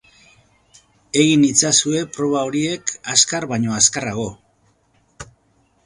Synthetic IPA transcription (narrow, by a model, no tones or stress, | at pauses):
e̞ɣinit͡sasue̞pɾo̞β̞ao̞ɾie̞kaskarβajɲo̞askaraɣo̞